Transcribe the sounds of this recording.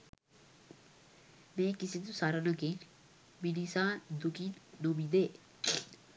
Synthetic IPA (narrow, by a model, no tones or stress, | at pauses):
mẽːkɪset̪̬ũsaːɾanaken | binisãːd̪ʊkiːnnoːbĩd̪eː